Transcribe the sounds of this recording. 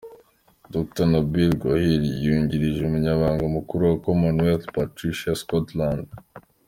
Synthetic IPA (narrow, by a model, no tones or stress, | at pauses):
dok̚tanobilɡohilijuɲɟiɾiʒeumuɲaβaːŋɡamukuɾuwakomonwetpatɾiʃaskotlãnd